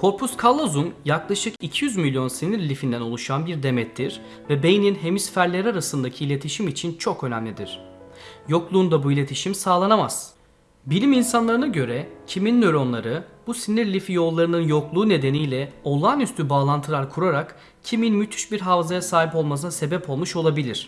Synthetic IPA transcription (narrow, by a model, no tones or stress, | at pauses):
kʰo̞ɾpʰuskʰalˠːozunjaklˠaʃɯkicʰijyzmilʲjo̞nsiniɾlʲifind̪æno̞lˠuʃanbiɾd̪e̞mɛt̪ʰːiɾ̥ | vɛbe̞jninɦe̞misfæɾlʲeɾiaɾasɯnd̪acʰiːlʲe̞t̪ʰiʃimit͡ʃʰint͡ʃʰo̞kø̞næ̰mlʲid̪iɾ̝̥ | jo̞klˠuːnd̪abuilʲe̞t̪ʰiʃimsaːlˠanamaz̥ | bilʲiminsanlˠaɾɯnaɟø̞ɾɛcʰiminːøɾo̞nlˠaɾɯbusiniɾlʲifijo̞lˠːaɾɯnɯnjo̞klˠuːne̞d̪e̞nijlʲɛo̞lˠaːnyst̪ʰybaːlˠant̪ʰɯlˠaɾkʰuɾaɾak | cʰiminmyt̪ʰy̥ʃbiɾɦavzajasaːɦipo̞lˠmas̬ɯnase̞bɛpʰo̞lˠmuʃo̞lˠabilʲiɾ̥